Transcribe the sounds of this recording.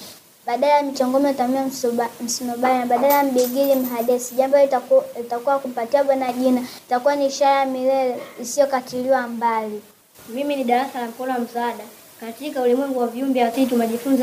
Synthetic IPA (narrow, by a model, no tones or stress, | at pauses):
ɓaɗalajamit͡ʃɔŋɡɔmɛtamiam̩sinɔɓaɲaɓaɗalajam̩ɓiɡilim̩ɦaɗɛsiʄambɔlitakuwakum̩patiaɓwanaʄinaitakuwaniːʃaɾajamilɛlɛisijɔkatiliwambali | miminiɗaɾasalam̩kɔlɔwam̩saaɗa | katikaulimwɛŋɡuwaviumbɛasit̬umaʄifunza